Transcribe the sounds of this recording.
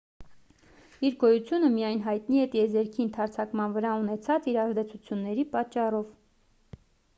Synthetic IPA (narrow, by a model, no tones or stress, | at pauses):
iɾɡɔjut͡sʰjunəmijɑjnɦɑjt̪niɛt̪iɛzɛɾkʰint̪ʰɑɾt͡sʰɑkmɑnvəɾɑunɛt͡sʰɑt͡siɾɑzd̪ɛt͡sʰut͡sʰjunːɛɾipɑt͡ʃːɑrɔv